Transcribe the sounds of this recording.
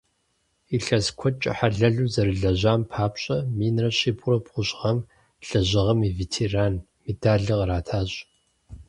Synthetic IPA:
iɬɐzkʷʰɔt͡ʃʼɐ̰ħaɮɐɮuːzɐɾɨɮɐʑaːmpʰaːpɕʼɐmiːnrɐɕiːbʰʼʊrɐbʁʷʊɕʼʁɐm | ɬɐʑɪʁɐmiveːtʰeːraːn | medaːɮɨʁəɾaːtʰaːɕʼ

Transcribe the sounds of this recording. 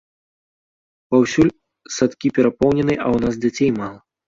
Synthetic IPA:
pawsʲulʲ | sat̪kʲipʲɛɾapɔwnʲɛnɨjʔɐwnazd͡zʲat͡sʲejmalˠɐ

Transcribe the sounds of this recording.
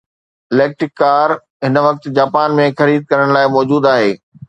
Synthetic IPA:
ɪleːk̚ʈɾɪkːaːɾ | ɦɪnʋɐk̚t̪̆d͡ʑaːpaːnmẽxɐɾiːd̪̚kɐɾəɽ̃laːɪmɔːd͡ʑuːd̪aːɦeː

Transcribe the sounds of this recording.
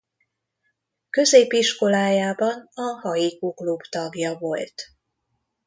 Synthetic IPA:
kø̞zeːpiʃko̞laːjaːbɒnɒhɒjikuklubt̪ɒɡjɒvo̞lt̪

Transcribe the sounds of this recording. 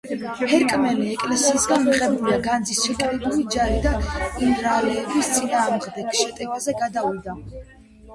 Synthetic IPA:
hɛɾkʼmɛliɛkʼlɛsiːsɡanmiqʼɛbuliaɡand̪zisʃɛt̪ʼaibulid͡ʒaɾid̪aimɾalɛːbist̪sʼinaːmʁd̪ɛkʰʃɛt̪ʼɛvazɛɡad̪avid̪a

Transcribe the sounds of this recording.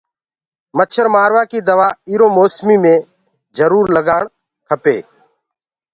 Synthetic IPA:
mət͡ʃʰəɾmaːɾʋaːkiːd̪əʋaːiːɾoːmoːsmiːmẽː | d͡ʒəɾuːɾləɡaːɳ | kʰəpḛː

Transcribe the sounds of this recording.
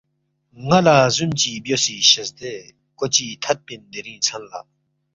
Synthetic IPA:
ŋalazumt͡ɕibjosiɕəzd̪e | kot͡ɕiːt̪ʰat̪̚pind̪eɾint͡sʰanla̰

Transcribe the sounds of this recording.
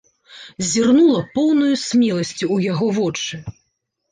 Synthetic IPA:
zʲirnulˠɐpɔwnujusʲmʲɛlˠɐsʲt͡sʲuːjaɣɔvɔt͡ʂɨ

